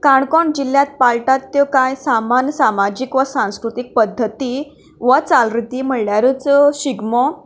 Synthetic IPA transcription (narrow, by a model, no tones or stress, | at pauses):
kaɳkɔɳd͡ʑiljat̪̚palʈat̪ːjɔkajsamansamad͡ʑikʋəsãskɾut̪ik̚pəd̪ʱːət̪i | ʋət͡salɾit̪iːm̤əɽljaɾət͡sɕiɡmɔ